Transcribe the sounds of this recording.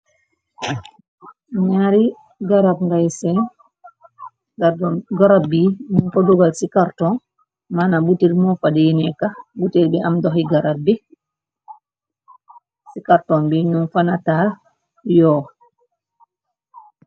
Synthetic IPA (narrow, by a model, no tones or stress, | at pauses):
ɲaɾi | ɡaɾab̚ŋɡajsɛn | ɡaɾdɔɡaɾab̚binunfaduɡalsikaɾtɔn | manabutiɾmɔfadɛjinɛkabutiɾbɛʔamdɔɦiɡaɾab̚bi | sikaɾtɔnbinunfanatal | jɔ